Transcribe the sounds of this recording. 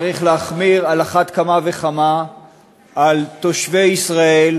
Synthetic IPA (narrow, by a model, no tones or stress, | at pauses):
ʁiχleaχmiʁalaχat̪kamave̞χama | alt̪o̞ʃve̞jisʁael